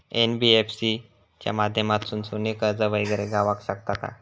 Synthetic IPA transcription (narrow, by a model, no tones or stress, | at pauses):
enbiefsi | t͡ɕja̰mad̪ʱjəmat̪sunsunekəɾd͡zəʋəjɡəɾeɡaʋakɕakt̪aka̰